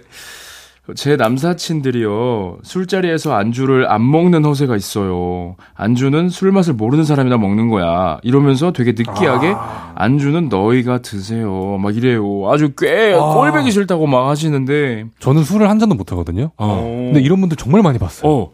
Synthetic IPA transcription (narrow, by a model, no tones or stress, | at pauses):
t͡ɕe̞nams̬ʰat͡ɕʰindɯɾijosʰuɭt͡ɕ͈aɾie̞sʰʌand͡ʑuɾɯɾa̰mːʌŋnɯnɸʌs̬ʰe̞ɡais͈ʌjo | a̰nd͡ʑunɯnsʰuɭmas̬ʰɯɭmoɾɯnɯnsʰaɾaminamʌŋnɯnɡʌja̰iɾʌmjʌns̬ʰʌtwe̞ɡe̞nɯk͈iɦaɡe̞ | a̰nd͡ʑunɯnːʌiɡatɯs̬ʰe̞jomaɡiɾe̞joad͡ʑuk͈wek͈ʌɭbe̞ɡiɕ̬ʰiɭtʰaɡomakhaɕ̬ʰinɯnde̞t͡ɕʌnɯnsʰuɾɯɭhand͡ʑandomotʰaɡʌdɯɲondeiɾʌnbundɯɾt͡ɕʌŋmaɭmaɲipas͈ʌ̥ʌ